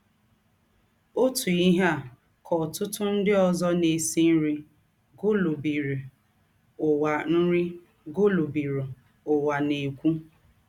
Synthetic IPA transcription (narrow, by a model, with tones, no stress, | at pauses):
o˦tu˨i˦ɦa˦˨ | kʰɔ˨tʊ˦tʊ˦n̩˦dɪ˦ɔ˨zɔ˦ne˨si˦n̩˦ɾi˦ | ɡo˦lo˨bi˨ɾi˨ | ʊ˨wa˨n̩˦ɾi˦ | ɡo˦lo˨bi˨ɾu˨ | ʊ˨wa˨ne˨kʷu˦